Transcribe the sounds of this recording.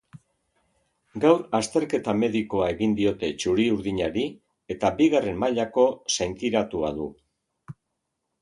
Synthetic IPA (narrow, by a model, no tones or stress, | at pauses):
ɡawɾast̪e̞ɾke̞t̪ame̞ðiko̞ae̞ɣind̪io̞t̪e̞t͡ʃuɾiuɾðiɲaɾi | e̞t̪abiɣare̞mmaʎako̞sejnt̪iɾat̪ua̰ðu